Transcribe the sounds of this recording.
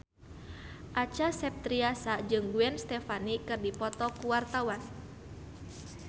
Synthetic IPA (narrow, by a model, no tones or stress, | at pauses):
ʔat͡ʃasɛp̚t̪ɾiasad͡ʒɨŋɡuɛnst̪ɛfanikɨrdipɔt̪ɔkuwart̪awan